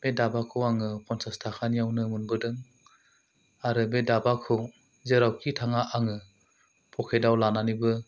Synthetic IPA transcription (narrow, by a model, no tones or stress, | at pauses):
b̥edabakʰɯwaŋɯpʰɔnsastʰakʰanijawnɯmunbɯdɯŋ | aɾɯbedabakʰɯw | zeɾawkitʰaŋaʔaŋɯ | pʰɔkʰejdawlananibɯ